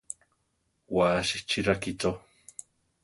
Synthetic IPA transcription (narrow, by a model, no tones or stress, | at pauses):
waʃit͡ʃiɾakit͡so